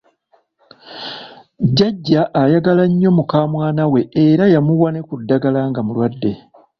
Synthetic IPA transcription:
ɟaɟːaʔːjaɡalaɲːo̞mukaːmwaːnawe̞eɾajamuwane̞kudːaɡalaŋɡamulwadːe̞

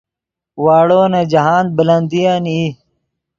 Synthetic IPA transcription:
waːɽoːnɐd͡ʑɐɦaːn̚bɐlɐnd̪ijani

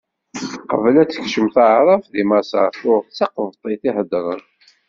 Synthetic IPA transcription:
qəvlæt͡sːə̥çʃəmθaʕɾˤɑfðimæsəθʊɾθt͡sːɑqvt̪ˤːiθihəd̪ɾˤə̰n

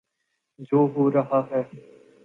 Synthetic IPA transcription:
d͡ʒoːɦoːɾəɦaːɦɛː

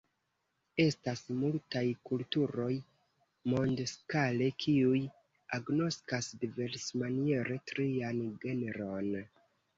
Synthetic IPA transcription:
e̞stasmultajkultuɾo̞j | mo̞ndskale̞kʰiuj | aɡno̞skasdive̞ɾsmanie̞ɾe̞tɾianɡe̞neɾo̞n

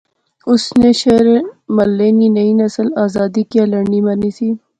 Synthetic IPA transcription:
ʊsneʃeːɾemɐlːeːninɐinɐsəlaːzaːd̪ikjalɐɳɖimɐɾnisiː

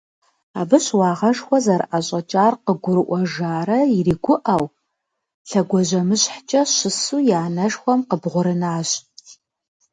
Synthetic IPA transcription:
aːbɨɕwɑːʁɐʒxʷɔzɐɾʔaɕʼɐt͡ʃʼaːrqəɡʷʊɾɨʔʷɔʒaːɾɐiriːɡʷʊʔɐw | ɬɐɡʷɔʑɐmɨɕʼħt͡ʃʼɐɕɪsuːjaːnɐʒxʷɔmqəbʁʷʊɾɨnaːɕ

